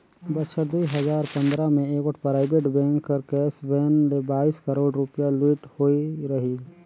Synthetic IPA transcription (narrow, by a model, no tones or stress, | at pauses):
bəʃʰəʈd̪uiɦəzaːɾpə̃nd̪ɾamẽeːkəʈʰpɾaːɪbeːʈbɛ̃ːŋkːəɾkɛːsbɛ̃ːnlebaːiskəɾoːɖɾʊpjalwiːʈhoːiɾɐɦi